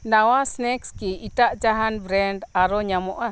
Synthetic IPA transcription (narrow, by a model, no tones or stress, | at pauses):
nawasnɛkskiitaʔd͡ʒaɦanbɾɛnɖaɾɔɲamɔʔa